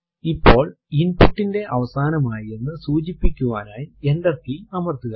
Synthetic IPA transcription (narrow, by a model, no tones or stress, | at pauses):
ipːo̞ːɭ | inpuʈːinde̞ʔɐʋɐsaːnɐmaːjienːɨsuːt͡ɕipːikʲːuʋaːnaːje̞nɖɐrkinɐmɐrt̪uɣɐ